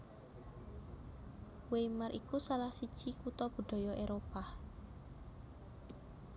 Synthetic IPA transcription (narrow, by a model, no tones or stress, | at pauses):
wemaɾʔikusalahsi̥t͡ʃikut̪ɔb̥ə̤ɖ̪̥ɔ̤jɔʔeɾopa